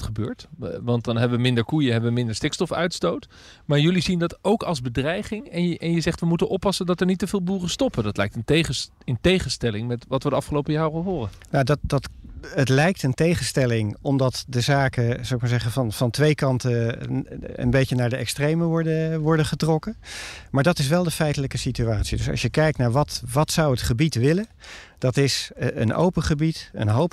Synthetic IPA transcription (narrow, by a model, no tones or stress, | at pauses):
χəbøːɹtʋɑnt̚dɑnɦɛbəʋəmɪndəɹkujəɦɛbəʋəmɪndəɹstɪkstɔfœ̰ɥtstowt | maːɹjɵlizindɑtowkɑlˠzbədrɛjχɪŋɛnʔɛnjəzɛχtʋəmutənʔɔpːɑsəndɑtɛəɹnitːəvɪːlˠbuːrəstɔpədɑtlɛjk̚tənteχə | əntejχənstɛlɪŋmɛtʋɑtʋədəɑfχəlowpəjaːrəɦʊːrənnadɑdɑtətlɛjk̚təntejχənstɛlɪŋɔmdɑtdəzaːkəz̥owɪkmaɹzɛχəvɑnfɑntʋejkɑntə | ə̰nbejənaːɹdəʔɛkstrejməʋɔɹdəʋɔɹdəχətrɔkəmaːɹdɑtɪs̬ʋɛlˠdəfɛjtələkəsityaːtsidɵsɑ̰ʃjəkɛjk̚tnaːɹʋɑtʋɑtsɑwətχəbitʋɪləd̥ɑtɪsə̰nʔo̰wpəχəbitə̰nɦowp